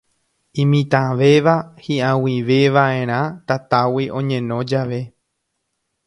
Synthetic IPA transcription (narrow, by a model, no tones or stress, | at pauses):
ĩmĩt̪ãʋe̞ʋahiʔãwiʋeʋaʔẽ̞ɾ̃ãt̪at̪awiʔõ̞ɲẽ̞nõ̞d͡ʒaʋe̞